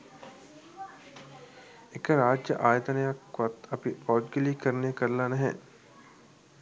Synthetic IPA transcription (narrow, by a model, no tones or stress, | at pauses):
ekəɾaːd͡ʒjəʔaːjət̪ənəjakʋɐt̪ɐpipɔːd͡ʒ̪ɡeliekəɾnekəɾlanɐɦɛ̰̃